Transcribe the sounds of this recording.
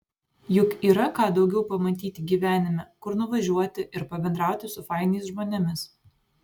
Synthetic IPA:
jʊkiːɾɐkɑːd̪ɒʊɡʲɛʊpɐmɐt̪ʲiːt̪ʲɪɡʲiːʋʲæːnʲɪmʲɛkʊɾnʊʋɐʒʲuɔt̪ʲɪʔɪɾpɐbʲɛnd̪ɾɑˑʊt̪ʲɪsʊfɑˑɪnʲɛɪsʒmoːnʲɛmʲɪs

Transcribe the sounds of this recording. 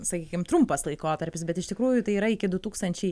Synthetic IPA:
sɐkʲiːkʲɪmt̪ɾʊmpɐslˠɐɪkoːt̪ɐɾʲpʲɪsbʲɛt̪ɪʃt̪ʲɪkɾuːjʊt̪ɐɪiːɾɐɪkʲɪd̪ʊt̪uːkst̪ɐnʲt͡ʃʲɛɪ

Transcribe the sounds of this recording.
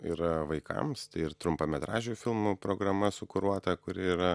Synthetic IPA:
ḭɾɐʋɐɪkɐ̰mst̪ɐɪɪɾt̪ɾʊmpɐmʲɛt̪ɾɑːʒʲɛfʲɪlˠmupɾoːɡɾɐmɐsʊkʊɾuɔt̪ɐkʊɾʲɪiːɾɐ

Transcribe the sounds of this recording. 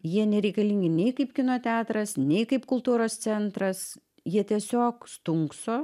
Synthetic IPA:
jiɛnʲɛɾʲɛɪkɐlʲiŋʲɡʲɪnʲɛɪkɐɪpkʲɪnoːt̪ʲæːt̪ɾɐsnʲɛɪkɐɪpkʊlˠt̪uːɾoːst̪sʲɛnt̪ɾɐs | jiɛt̪ʲiɛsʲoːkst̪ʊŋksoː

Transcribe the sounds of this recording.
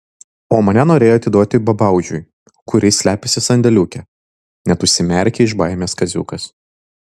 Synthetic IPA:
oːmɐnʲɛnoːɾʲeːjoːɐt̪ʲɪd̪uɔt̪ʲɪbɐbɐˑʊʒʲʊ̰j | kʊɾʲɪsʲlʲæːpʲɪsʲɪsɐnʲd̪ʲɛlʲuːkʲɛ | nʲɛt̪ʊʃʲsʲɪmʲɛˑɾʲkʲɛɪʒbɐɪmʲeːskɐzʲṵːkɐs

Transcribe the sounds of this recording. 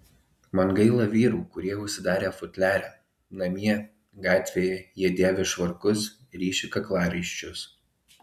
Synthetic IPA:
mɐnɡɐɪlˠɐʋʲiːɾuːkʊɾʲiɛʊʃʲsʲɪd̪ɑːɾʲeːfʊt̪ʲlʲæːɾʲɛ | nɐmʲiɛ | ɡɑːt̪ʲʋʲeːjɛjiɛd̪ʲeːʋʲɛʃʋɐɾkʊs | ɾʲiːʃʲɪkɐklˠɑːɾɐɪʃʲt͡ʃʲʊs

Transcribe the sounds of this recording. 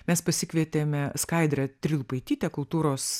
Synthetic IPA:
mʲɛspɐsʲɪkʋʲiɛt̪ʲeːmʲɛskɐɪd̪ɾʲɐt̪ʲɾʲɪlˠʊpɐɪt̪ʲiːt̪ʲɛkʊlˠt̪uːɾoːs

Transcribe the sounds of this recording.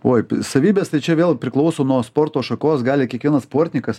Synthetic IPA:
oːjsɐʋʲiːbʲest̪ɐɪt͡ʃʲɛʋʲeːlˠpʲɾʲɪklˠɐʊsoːnuɔspoːrt̪oːʃɐkoːsɡɑːlʲɪkʲiɛkʋʲiɛnɐsspoːɾʲt̪ʲnʲɪkɐs

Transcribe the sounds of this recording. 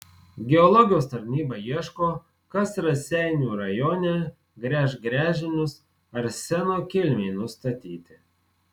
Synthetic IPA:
ɡʲɛɔlˠɔɡʲɪjoːst̪ɐɾʲnʲiːbɐiɛʃkoː | kɐsɾɐsʲɛˑɪnʲuːɾɐjoːnʲɛ | ɡɾʲæːʃɡɾʲæːʒʲɪnʲʊs | ɐɾsʲɛnoːkʲɪlʲmʲeɪnʊst̪ɐt̪ʲiːt̪ʲɪ

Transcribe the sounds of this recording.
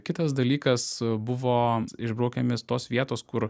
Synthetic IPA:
kʲɪt̪ɐsd̪ɐlʲiːkɐsbʊʋoːɪʒbɾɐʊkʲɛmʲɪst̪oːsʋʲiɛt̪oːskʊɾ

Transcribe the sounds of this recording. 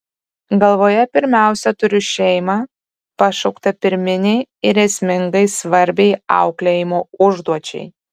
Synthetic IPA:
ɡɐlˠʋoːjɛpʲɪɾʲmʲæˑʊsʲɛt̪ʊɾʲɪʃʲɛɪmɑː | pɐʃɐʊkt̪ɐpʲɪɾʲmʲɪnʲɛɪɪɾʲɛsʲmʲɪŋɡɐɪsʋɐɾʲbʲɛɪɐ̰ʊklʲejɪmoːʊʒd̪uɔt͡ʃʲɛ̰ɪ

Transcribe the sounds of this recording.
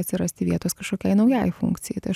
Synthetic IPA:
ɐt̪sʲɪɾɐsʲt̪ʲɪʋʲiɛt̪oːskɐʃkoːkʲɛɪnɐʊjɛjfṵŋkt̪sʲɪjɛɪt̪ɐɪ

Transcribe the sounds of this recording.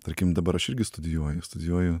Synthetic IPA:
t̪ɐɾʲkʲɪmd̪ɐbɐɾɐʃɪɾʲɡʲɪst̪ʊd̪ʲɪjuɔjʊst̪ʊd̪ʲɪjuɔjʊ

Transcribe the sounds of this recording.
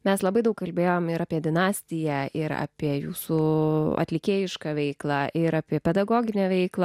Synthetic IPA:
mʲɛslˠɐbɐɪd̪ɐʊkkɐlʲbʲeːjoːmɪɾaːpʲiɛd̪ʲɪnɑːsʲt̪ʲɪjɛɪɾa̰ːpʲiɛjuːsuɐ̰t̪ʲlʲɪkʲeːjɪʃkɑːʋʲɛɪklˠɑʔɪɾaːpʲiɛpʲɛd̪ɐɡoːɡʲɪnʲɛːʋʲɛɪklˠɐ

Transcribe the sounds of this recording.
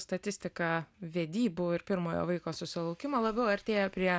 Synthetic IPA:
st̪ɐt̪ʲɪsʲt̪ʲɪkɑʋʲeːd̪ʲiːbuːɪɾpʲɪɾmoːjo̰ːʋɐɪkoːsʊsʲɪlˠɐʊkʲɪmoːlˠɐbʲɛʊɐɾʲt̪ʲeːjɛpʲɾʲiɛ

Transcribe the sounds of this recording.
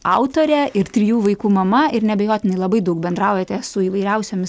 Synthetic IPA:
ɑʊt̪oːɾʲɛɪɾt̪ʲɾʲijuːʋɐɪkuːmɐmɐɪɾnʲɛbʲɛjoːt̪ʲɪnɐɪlˠɐbɐɪd̪ɐʊk̚bʲɛnd̪ɾɑˑʊjɛt̪ʲɛsʊiːʋɐɪɾʲɛʊsʲoːmʲɪs

